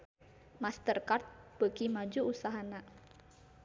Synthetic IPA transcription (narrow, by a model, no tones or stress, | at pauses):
mast̪ərkart̪̚b̥əkimad͡ʒuusaɦana